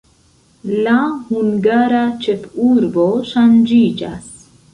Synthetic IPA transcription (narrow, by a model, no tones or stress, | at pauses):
lahuŋɡaɾat͡ʃefuɾboʃand͡ʒid͡ʒa̰s